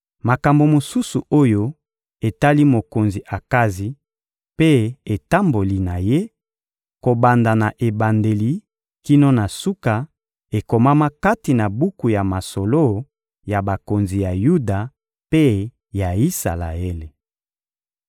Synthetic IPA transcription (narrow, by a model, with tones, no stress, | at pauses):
ma˨ka˨mbo˨mo˨su˦su˨o˦jo˦ | e˨ta˦li˦mo˨ko˨nzi˨ʔa˨ka˦zi˨ | pe˦e˨ta˦mbo˨li˨na˨je˦ | ko˨ba˨nda˨na˨ʔe˨ba˨nde˨li˨ | ki˦no˦na˨su˦ka˨ | e˨ko˨ma˦ma˦ka˦ti˨na˨bu˦ku˨ja˨ma˨so˨lo˦ | ja˨ba˨ko˨nzi˨ja˨ju˦da˨ | pe˦ | ja˨i˦sa̰˨la̰˨e˦le˨